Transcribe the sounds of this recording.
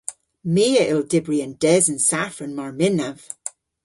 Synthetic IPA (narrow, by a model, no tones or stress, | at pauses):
miːəʔɪlˠdɪbɹiənd̥ɛzənsafənmaɹmɪnəv̥